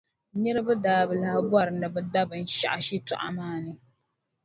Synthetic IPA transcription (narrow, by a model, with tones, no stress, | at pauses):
ɲɛ˦ɾɨ˦bɨ˦daː˨bɨ˨la˦ha˦ba˦ɾɨ˨nɨ˨bɨ˨da˦bɨ˨n̩˨ʃa̰˨ʔa˨ʃi˦tʊ̰˨ʔa̰˨maː˦nɨ˨